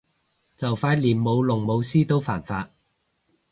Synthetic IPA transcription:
t͡sɐ˨˩wfaː˧˥t̚liː˨˩nmo˨˧wlʊ˨˩ŋmo˨˧wsiː˥t̪o˥wfaː˨˩nfaː˧˥t̚

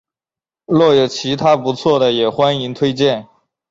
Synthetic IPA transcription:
lwɔ˥˩jo˨˩t͡ɕʰi˧˥t̪ʰa˥pu˧˥t͡sʰwɔ˥˩d̪ə˩jɛ˨˩xwa˥ni˧˥ŋt̪ʰwe˥ɪt͡ɕjɛ˥˩n

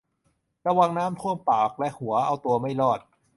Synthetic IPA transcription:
ɾa˧wa˧ŋnaː˦˥mt̪ʰu˥˩əmpaː˨˩k̚lɛ˦˥ʔhu˩˦ɐʔa˧wt̪u˧ɐma˥˩jlɔː˥˩t̪̚

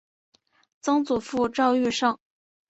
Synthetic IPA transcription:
t͡sɤ˥ŋt͡su˨˩fu˥˧ʈ͡ʂɑ˥˧ʊy˥˧ʂɑ˥˩ŋ

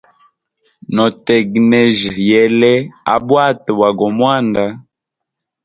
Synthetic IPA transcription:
nɔ˨tɛ˨ɡnɛ˨ʒjɛ˨lɛ˦a̰˦bwa˦twa˨ɡɔ˨mwa˦nda˦

